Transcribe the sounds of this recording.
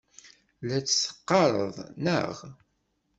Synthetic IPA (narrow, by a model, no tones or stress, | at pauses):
læt͡sːsə̥qːɑɾˤə̰ðˤnə̰ʁ